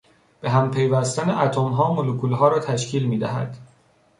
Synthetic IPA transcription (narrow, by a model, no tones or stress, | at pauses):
b̥e̞ɦæmpʰe̞jvæst̪æneʔæt̪ʰomɦɒːmolokʰuːlɦɒːɾɒːt̪ʰæʃcʰiːlmiːd̪æɦæ̰d̪̥